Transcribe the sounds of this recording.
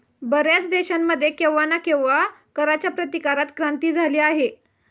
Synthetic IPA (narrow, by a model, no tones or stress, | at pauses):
bəɾjat͡sd̪eɕamːəd̪ʱːjekewʋːanakẽwʋakəɾat͡ɕjapɾət̪ikaɾat̪kɾãnt̪iːd͡zʱaliːaɦe